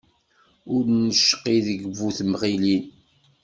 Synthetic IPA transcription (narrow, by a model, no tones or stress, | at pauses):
ʊɾnəʃːə̥qːiðəɡəvːuθmʁilin